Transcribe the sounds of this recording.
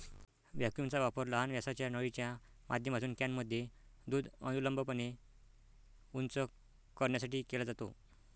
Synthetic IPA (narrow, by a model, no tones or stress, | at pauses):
ʋjakjunt͡saʋapəɾləɦanʋjasat͡ɕjanəɭit͡ɕja | mʔad̪ʱjəm̤at͡s̪uːnkanməd̪ʱːjed̪uːd̪ə̰nuləmbəpəne | unt͡sə | kəɾɳjasaʈiːkelad͡zat̪o̰